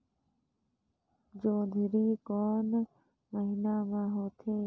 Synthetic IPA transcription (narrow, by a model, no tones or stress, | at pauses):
d͡ʒoːd̪ʱiɾiːkoːn | məɦɪnaːmãːɦoːt̪ʰeː